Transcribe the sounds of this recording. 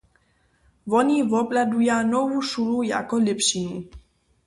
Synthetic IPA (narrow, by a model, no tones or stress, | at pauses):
vonivopladujanovuʃuluja̰kolɪpʃini